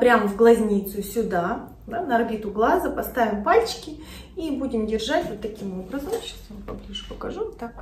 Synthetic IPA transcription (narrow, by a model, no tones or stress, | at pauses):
pɾʲamvɡlˠɐzʲnʲit̪sʊsʲʊd̪a | d̪anəɐrbʲit̪ʊɡlˠazəpɐst̪avʲɪmpalʲt͡ɕɪ̥kʲɪ | ibudʲɪmdʲɪrʐatʲvot̪ːɐkʲimobɾəzəmɕḁsjampɐblʲiʐɨpəkɐʐut̪ːak